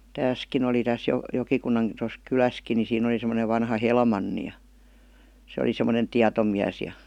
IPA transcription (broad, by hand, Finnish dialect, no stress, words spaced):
tæːskin oli tæs jo jokikunːɑn tos kylæski ni siːn oli semoneʋ ʋɑnhɑ helmɑnːi jɑ se oli semˑonen tiɑtomiæs jɑ